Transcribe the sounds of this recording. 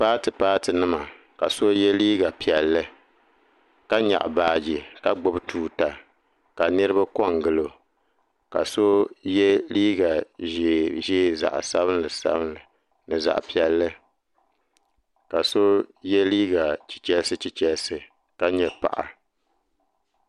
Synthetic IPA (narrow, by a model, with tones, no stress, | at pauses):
paː˦tɨ˨paː˦tɨ˨nɨ˦ma˨ | ka˨so˦jɛ˦liː˦ɡa˨pi˨ɛ˨lːɨ˦ | ka˦ɲa̰˨ʔbaː˨d͡ʒi˨ka˦ɡ͡bo˦btʰuː˨ta˨ | ka˨nɨ˦ɾɨ˦ba˦kɔ˦˨ŋɡɨ˦lo˨ | ka̰˨so˦jɛ˦liː˦ɡa˨ʒe˨ʒeː˦za̰˨ʔsa˦bɨ˦n˦lɨ˨sa̰˦bɨ˦nlɨ˨ | nɨ˨za̰˨ʔpi˨ɛ˨lːɨ˦ | ka˨so˦jɛ˦liː˦ɡa˨t͡ʃi̥˨t͡ʃɛ˦lsɨ˦t͡ʃi˦t͡ʃɛ˦lsɨ˨ | ka˦ɲɛ˨pa̰˨ʔa̰˨